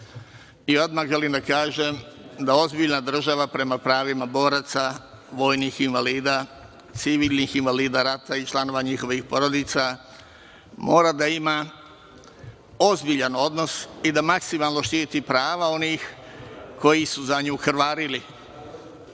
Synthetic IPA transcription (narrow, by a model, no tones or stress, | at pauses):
io̞d̪̚maɣʒelimd̪akaːʒemd̪ao̞zbiʎnad̪r̩ʒaʋapɾe̞mapɾaːʋimabo̞ːɾat̪sa | ʋo̞ːjnixinʋaliːd̪aː | t̪siʋiːlnixinʋaliːd̪aɾat̪ait͡ʃlˠano̞ʋaɲixo̞ʋixpo̞ɾo̞d̪it̪sa | mo̞ːɾad̪aima | o̞zbiʎano̞d̪no̞sid̪amaksimalˠno̞ʃt̪iːt̪ipɾaːʋao̞niːxko̞jisuzaɲuːxɾʋaːɾili